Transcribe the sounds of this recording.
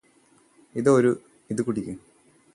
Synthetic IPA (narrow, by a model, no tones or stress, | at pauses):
iðoɾu | iðɨkuʈːikʲːum